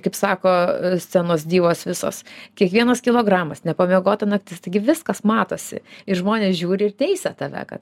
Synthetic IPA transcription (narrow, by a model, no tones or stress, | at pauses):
kɐɪpsɑːkoːsʲt͡s̪ʲɛnoːs̬d̪ʲiːʋoːsʋʲɪso̰ːskʲiɛkʋʲiɛnɐskʲɪlˠoːɡɾɑːmɐsnʲɛpɐmʲiɛɡoːt̪ɐnɐk̚t̪ʲɪst̪ɐɪɡʲɪʋʲɪskɐsmɑːt̪oːsʲɪ̰ɪɾʒmoːnʲeːsʒʲuːɾʲɪɪrtʲɛɪsʲɛt̪ɐʋʲɛ̰kɐ̰t̪